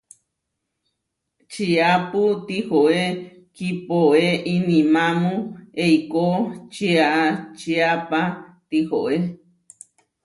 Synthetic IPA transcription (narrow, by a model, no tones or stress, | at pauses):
t͡ʃiaput̪ihoe | kipoeʔinĩmãmũejkot͡ʃiaʔat͡ʃiapat̪ihoʔe